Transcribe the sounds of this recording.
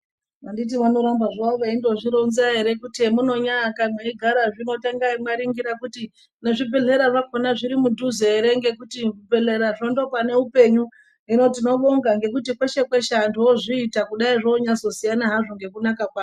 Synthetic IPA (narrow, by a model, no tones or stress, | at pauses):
ʋandit̬iʋano̞ɾambaʐaoʋaindo̞ʐiɾonzaɦe̞ɾe̞kutiemuno̞ɲakamweiɡʱaɾaʐino̞taŋɡaimwaɾiŋɡiɾakuti | ne̞ʐib͡ve̞ɮe̞ɾaʐakonaʐiɾimudʱuzeeɾe̞ŋɡe̞kutikub͡ve̞ɬeɾaʐondo̞pane̞upe̞ɲu | ɦino̞t̬ino̞ɓoŋɡaŋɡe̞kutikwe̞ʃe̞kwe̞ʃandoʐiːtakuɗaiʐoːɲazo̞sijanaɦaʐoŋɡe̞kunakakwaː